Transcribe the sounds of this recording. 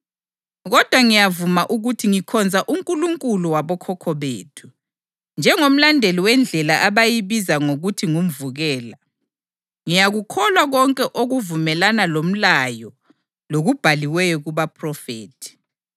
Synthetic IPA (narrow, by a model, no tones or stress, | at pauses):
ɣɔd̥ʱwaŋijavumaʔuɣutʰiŋikʰɔnd͡zʱaʔuŋkʼuluŋkʼuluwaβɔkʰɔkʰɔβḛːtʰu̥ | nd͡ʒʱɛŋom̩landʱɛliwɛnd͡ɮʱɛlaʔaβajiβizaŋoɣutʰiŋum̩vuɣɛːla | ŋijaɣukʰɔlwaɣɔŋkʼɛʔoɣuvumɛlanalom̩lajɔ | loɣub̥ʱaliwɛjɔɣuβapʰrɔfeːtʰi̥